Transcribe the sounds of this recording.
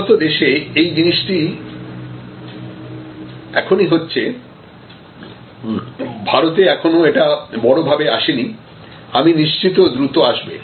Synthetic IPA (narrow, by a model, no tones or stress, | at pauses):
t̪od̪eʃeejd͡ʑiniʃʈi | ɛkʰoniɦotːɕʰe | bʱaɾot̪eɛkʰonoeʈabɔɽobʱabeaʃeni | aminiʃt͡ɕit̪od̪ɾut̪oaʃbḛ